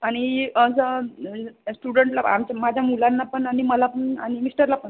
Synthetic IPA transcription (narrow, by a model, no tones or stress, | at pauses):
aɽ̃iəsə | sʈuɽəɳʈlaa̰mt͡ɕamad͡ʑʱamulanːapəɳaɽ̃iməlapəɳa̰ɽ̃imisʈəɾlapəɳ